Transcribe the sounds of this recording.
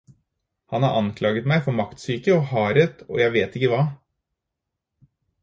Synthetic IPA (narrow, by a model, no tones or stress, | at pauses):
hɑnhɑ̰ɾʔɑnkʰlɑːɡət̪mæɪfɔɾmɑkt̪syːkəɔhɑːɾət̪ʰɔ̰ːjæɪʋeːt̪ɪkːəʋɑː